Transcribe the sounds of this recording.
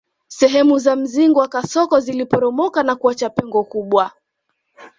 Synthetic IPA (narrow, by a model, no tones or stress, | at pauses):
sɛɦɛmuzam̩ziŋɡɔwakasɔkɔzilipɔɾɔmɔkanakuat͡ʃapɛŋɡɔkuɓwa